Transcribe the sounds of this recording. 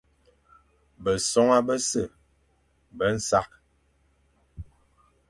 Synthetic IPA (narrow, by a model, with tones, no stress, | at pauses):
bə˨sɔ˦ŋa˦bə˦sə˦˨ | bə˦n̩˦sa˦k̚